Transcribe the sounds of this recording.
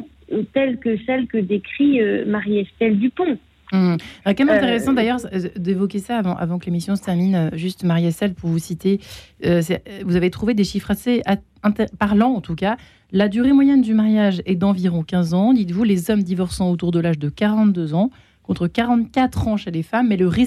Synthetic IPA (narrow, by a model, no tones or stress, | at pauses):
t̪ɛlkəsɛlkəd̪ekχiømaʁijɛst̪ɛld̪ypɔ̃ | m̩ɛkɛlmɛ̃t̪eʁɛsɑ̃d̪ajœʁd̪evɔk̬ʲesaːvɑ̃ʔa̰vɑ̃kəlemisjɔ̃st̪ɛʁminøʒyst̪maʁiɛst̪ɛlpuʁvusit̪eøs̬ɛvuzavet̪χuved̪eʃifχasea | ɛ̃t̪paʁlɑ̃ːt̪uka | lad̪yʁemwajɛnd̪ymaʁjaʒɛd̪ɑ̃viʁɔ̃kʲɛ̃zɑ̃d̪it̪vulezɔmd̪ivɔʁsɑ̃ot̪uʁd̪əlaʒd̪əkaʁɑ̃t̪d̪øzɑ̃ | kɔ̃t̪χəkaʁɑ̃t̪kat̪χɑ̃ʃelefamːɛləʁi